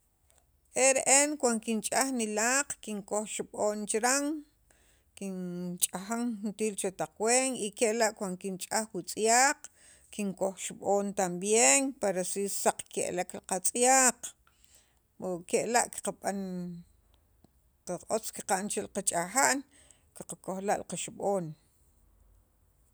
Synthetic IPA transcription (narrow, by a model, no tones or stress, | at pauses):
ʔeɾeʔenkwankint͡ʃʼaxnilaːqkiŋkoxʃɓoːnt͡ʃɾaŋ | kint͡ʃʼaxaŋxunt̪iːlt͡ʃot̪aq͡χweːŋikeʔlaʔkwand̪okint͡ʃʼaxwit͡sʼjaːq͡χ | kiŋkoxʃiɓoːnt̪ambjeːŋpaɾasisaq͡χkḛʔlaklqat͡sʼjaːq | okeʔlaʔki̥qaɓan | qaʔot͡ski̥qaʔnt͡ʃelqat͡ʃʼaxaʔn | kiqakoxlaʔlqaʃiɓoːn